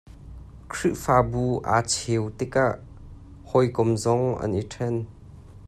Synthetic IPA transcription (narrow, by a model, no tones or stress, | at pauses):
kʰɾiʔfaːbuʔa̰ːt͡sʰewt̪ikaʔ | hɔjkɔmzɔŋʔa̰nʔiʈʰɛn